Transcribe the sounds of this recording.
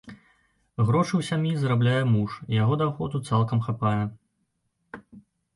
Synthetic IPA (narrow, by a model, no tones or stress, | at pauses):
ɣɾɔt͡ʂɨwsʲamʲjizɐɾablʲajɛmuʂijaɣɔd̪awxɔd̪ut̪salˠkɐmxapajɛ